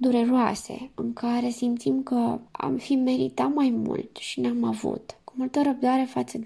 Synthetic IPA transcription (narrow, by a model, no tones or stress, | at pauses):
d̪uɾe̞ɾoa̰se̞̰ɨŋkaɾe̞simt̪simkəa̰mfime̞ɾḭt̪at̪majmṵlt̪ʃinamavṵt̪kumult̪əɾəb̚d̪aɾe̞fat̪səd̪